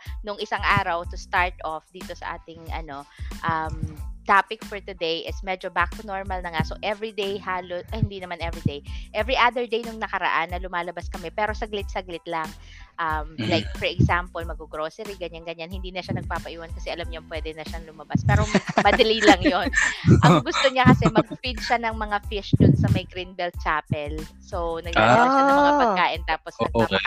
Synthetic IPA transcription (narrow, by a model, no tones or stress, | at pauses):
nʊŋɪsaŋʔaːɾɐwt̪ʊst̪aɹt̪ofd̪iːt̪osɐ̰ʔa̰ːt̪ɪŋʔɐ̰no̞ʔɐmt̪aːpɪkfɔɹt̪ʊd̪ejʔɪsmɛd͡ʒobak̚t̪ʊnoɹmɐlnɐŋasoʔɛvɹid̪ejhaːloshɪnd̪inɐmanʔɛvɹid̪ejʔɛvɹiʔad̪ɛɹd̪ejnʊŋnɐkɐɾɐ̰ʔanːɐlʊmaːlɐbaskɐmɛpɛːɾo̞sɐɡlɪt̪̚sɐɡlɪt̪laŋ | ʔɐmlajk̚fɛɹʔɛɡsampolmɐɡʊɡɾoːsɛɾiɡɐɲanɡɐɲanhɪnd̪iːnɐʃanɐɡ̚paːpɐʔiwankɐsɛʔɐlɐmɲompwɛːd̪ɛnɐʃaŋlʊmɐbaspɛːɾomɐd̪ɐlilɐŋjonʔɐŋɡʊst̪o̞ɲakɐsɛmɐɡ̚pid̪̚ʃanɐŋmɐŋafɪʃd̪ʊnsɐmɐjɡɾinbɛlt̪̚t͡ʃaːpɛlsownɐɡ̚lalaamɐapɐɡkaːʔɪnt̪aːposɐɡ̚a